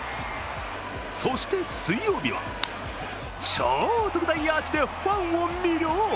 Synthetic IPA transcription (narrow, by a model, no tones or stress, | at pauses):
so̞ɕi̥t̪e̞sɨijo̞ːbʲiβa̰ | t͡ɕot̪okɯ̟d̪aiat͡ɕid̪e̞ɸãɰ̃omʲiɾʲjo